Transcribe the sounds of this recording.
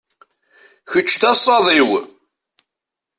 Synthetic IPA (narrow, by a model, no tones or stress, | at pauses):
çət͡ʃːθæsˤːɑðˤiw